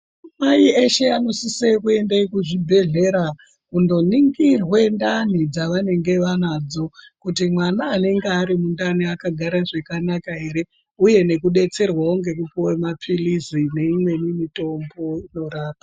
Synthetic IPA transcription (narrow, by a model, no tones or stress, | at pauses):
maieʃe̞ano̞sisekue̞ndaikuʐibʱe̞ɮe̞ɾa | kundo̞niŋɡirwe̞ndanid͡zaʋane̞ŋɡe̞ʋanaːd͡zo̞ | kutimwanaːne̞ŋɡeaɾimundaniakaɡʱaɾaʐekanakaɦe̞ɾe̞ | uje̞ne̞kuɗe̞t͡se̞rwaoŋɡe̞kupowemapʰilizine̞imwe̞nimito̞mbo̞ino̞ɾaːpa